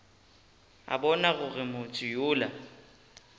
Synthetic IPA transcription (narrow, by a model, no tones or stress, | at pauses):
a̰bɔnaɣʊɣɪmʊt͡sʼɪjʊːla